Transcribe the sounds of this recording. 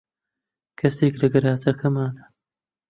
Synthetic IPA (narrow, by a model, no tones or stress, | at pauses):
kʰɐseːklɐɡɐɾaːzɐkʰɐmaːnɐ